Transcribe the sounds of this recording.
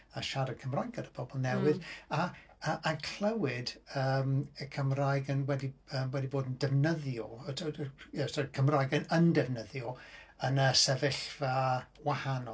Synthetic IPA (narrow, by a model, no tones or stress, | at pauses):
aʃaɾad̚kʰəmrajɡadəb̥ɔbɔlˠnɛwɨða | əʔakʰl̥ˠɛwɪdəməkʰəmraːjɡənwɛdiəːwɛdiboːdəndɛvnəðjɔətʰəjɛsɔkʰəmraːjɡənəndɛvnəðjɔənəsɛvɪɬva | wahanɔ